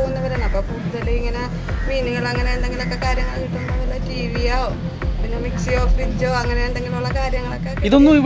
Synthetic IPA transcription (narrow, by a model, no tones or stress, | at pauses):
oːɣunːɐʋɐɾaːnɐpːopuːðɐlːeiŋːɐne | miːniŋːɐɭɐŋːɐneend̪eŋɡilo̞kːe̞kaːɾjɐŋːɐɭkiʈːumːonɐlotːiːɾijao | pinːemiksijoːfriɲd͡ʑoːɐŋːɐneend̪eŋɡiluɭːɐkaːɾjɐŋːɐɭokːekːiðonːui